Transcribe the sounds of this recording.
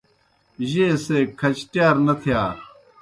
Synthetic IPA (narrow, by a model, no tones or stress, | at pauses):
ʑeːseːkʰɐt͡ɕʈjaːɾnɐt̪ʰijaːɾ